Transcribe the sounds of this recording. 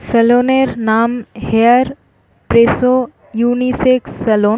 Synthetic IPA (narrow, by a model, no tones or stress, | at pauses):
sɐloːneɾnaːmheəɾ | pɾeːso | juːniseːksɐloː